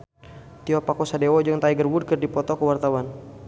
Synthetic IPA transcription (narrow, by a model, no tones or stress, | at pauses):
t̪iɔpakosadewɔd͡ʒɨŋt̪aiɡərwud̚kərdipɔt̪ɔkəwart̪awan